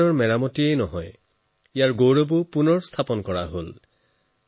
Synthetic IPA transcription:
ɔɹmɛɹamɔtiejnɔɦɔj | ijaɹɡowɹobupunɔɹst̪ʰapɔnkɔɹaɦol

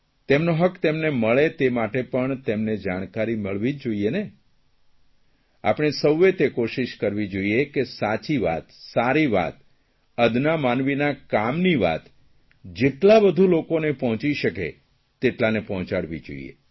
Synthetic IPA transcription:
t̪emnoɦəkt̪emneməɭet̪emaʈepəɳt̪emned͡ʒaɽ̃kaɾiməɭʋid͡ʒd͡ʒoiene | a̰pɽɳ̃esəwːet̪ekoʃiʃkəɾʋid͡ʒoiekesat͡ʃiʋa̰t̪saɾiʋa̰t̪ | əd̪namanʋinakamniʋa̰t̪ | d͡ʒeʈlabəd̪ʱulokonepɔɦɔ̃t͡ʃiʃəkḛ | t̪eʈlanepɔɦt͡ʃaɽʋḭd͡ʒo̰ḭjḛ

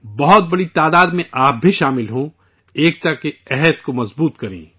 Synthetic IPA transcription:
bɐɦʊt̪̚bɐɽit̪aːd̪aːd̪mẽʔaːp̚bʱiʃaːmɪlɦõ | eːk̚t̪ɐkːeɛɦɛd̪komɐzbuːt̪kɐɾḛ̃ː

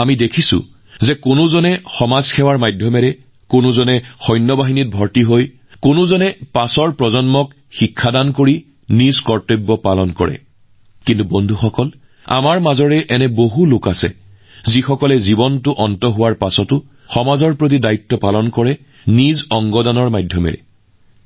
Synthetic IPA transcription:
amidekʰisʊ̰ | zɛkʊnʊzɔnɛxɔmazxɛwaɹmajdʱjɔmɛɹɛ | kʊnʊzɔnɛxɔjnːɔbaɦinit̚bʱɔɹtiɦoj | kʊnʊzɔnɛpasɔɹpɹɔzɔnmɔk | xikʰːadankoɹi | nizkɔɹtɔbːɔpalɔnkɔɹɛ̰ | kintubɔndʱuxɔkɔl | a̰maɹmazɔɹɛʔɛnɛboɦulʊkasɛ̰ | zixɔkɔlɛzibɔntʊʔɔntɔɦʊwaɹpasɔtʊ | xɔmazɔɹpɹot̬idaitːɔpalɔnkɔɹɛ | nizɔŋɡɔdanɔɹmajdʱjɔmɛ̰ɹɛ̰

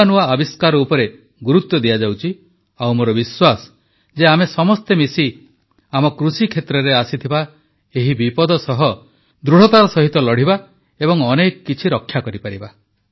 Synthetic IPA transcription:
nuaɔbiskaɾɔupɔɾe | ɡuɾut̪ːɔd̪ijad͡ʒawt͡ʃʰi | awmoɾɔbiswasɔ̥ | d͡ʒeamesɔmɔst̪emisi | amɔkɾusikʰet̪ɾɔɾeasit̪ʰiba | eɦibipɔd̪ɔsɔɦɔ | d̪ɾuɽ̤ɔt̪aɾɔsɔɦit̪ɔlɔɽ̤iba | ebɔŋɔnekɔkːit͡ʃʰiɾɔkʰːjakɔɾipaɾiba

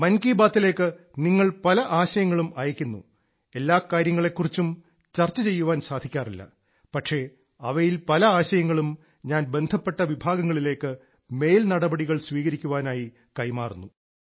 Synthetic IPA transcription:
mɐnkiːbaːt̪ːile̞ːkːɨ | niŋːɐɭpɐlɐʔaːɕɐjɐŋːɐɭumɐjɐkʲːunːṵ | e̞lːaːkːaːɾjɐŋːɐɭe̞kːurit͡ɕːum | t͡ɕɐrt͡ɕːɐt͡ɕe̞jːuʋaːnsaːd̪ʱikʲːaːrilːɐ̰ | pɐʈʂe̞ | ɐʋɐjilpɐlɐaːɕɐjɐŋːɐɭum | ɲaːnbe̞nd̪ʱɐpːe̞ʈːɐʋibʱaːɡɐŋːɐɭile̞ːkːɨ | me̞ːlnɐɽɐbɐɽiɣɐɭsʋiːɣɐɾikʲːuʋaːnaːji | kɐjmaːrunːu

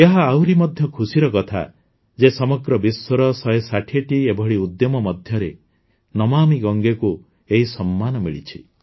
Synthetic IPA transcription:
eɦaawɾimɔd̪ʱjɔkʰusiɾɔkɔt̪ʰa̰ | d͡ʒesɔmɔɡɾɔbiswɔɾɔsɔjesaʈʰieʈiebʱɔɭiud̪jɔmɔmɔd̪ʱjɔɾe | nɔmamiɡɔŋɡeku | eɦisɔmːanɔmḭɭḭt͡ʃʰi

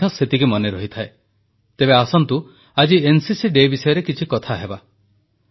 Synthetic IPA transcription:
ɔ̃set̪ikimɔneɾɔɦit̪ʰae | t̪ebeasɔnt̪u | ad͡ʒiensisiɖebisɔjɔɾekit͡ʃʰikɔt̪ʰaɦeba

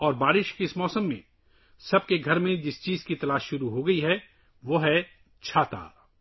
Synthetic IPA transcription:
ɔːɾbaːɾɪʃkeɪsmɔːsəmːḛ̃ | sɐb̚keɡʱɐɾmẽd͡ʒɪst͡ʃiːzkit̪ɐlaːʃːʊɾuɦoɡɐiɦɛ | ʋoɦɛ | t͡ʃʰaːt̪a̰ː

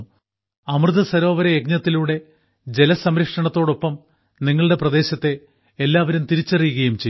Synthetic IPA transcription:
ɐmrɨðɐsɐɾo̞ːʋɐɾɐjeɡɲɐt̪ːiluɽe̞ | d͡ʑe̞lɐsɐmɾɐkʂɐɳɐt̪ːo̞ːɽo̞pːɐm | niŋːɐɭɨɽe̞prɐd̪e̞ːɕɐt̪ːe̞ː | lːaːʋɐɾumt̪iɾit͡ɕːɐrijuɣɐjumt͡ɕej

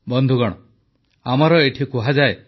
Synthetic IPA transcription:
bɔnd̪ʱuɡɔɽ̃ɔ | amɔɾɔeʈʰikuɦad͡ʒae

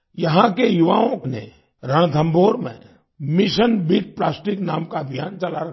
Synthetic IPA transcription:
jɐɦãkejuʋaːõknḛ | ɾəɽ̃d̪ʱə̃mbʱoːɾmḛ̃ | mɪʃənbiːʈ̚plaːsʈɪknaːmkaɐbʱijaːnt͡ʃɐlaɾɐk

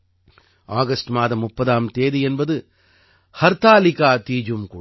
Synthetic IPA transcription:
aːɣɐsʈmaːðɐmːʊpːɐðaːmt̪eːðiɛnbɐðɯ | hɐɾt̪aːlɪkaːt̪iːd͡ʒumkuː

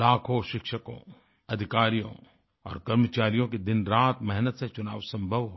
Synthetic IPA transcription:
laːkʰõʃɪkʃəkõ̰ | ɐd̪ʱɪkaːɾijõ̰ | ɔ̰ːɾkɐɾmət͡ʃaːɾijõked̪ɪnɾaːt̪mɛɦnət̪set͡ʃʊnaːʋsɐ̃mbʱəʋɦo

